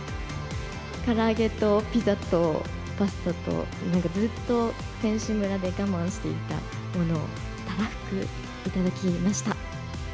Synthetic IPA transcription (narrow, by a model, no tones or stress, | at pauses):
kaɾaːɡe̞t̪o̞pʲizat̪o̞ | pasɨ̥t̪at̪o̞̰ | nãŋkad͡zɨt̪ːo̞ | sẽ̞ɰ̃ɕɨmɯ̟ɾad̪e̞ɡamãɰ̃ɕi̥t̪e̞it̪a̰ | mo̞no̞̰ː | t̪aɾaɸɯ̥kɯ̟ | it̪ad̪akʲimaɕi̥t̪a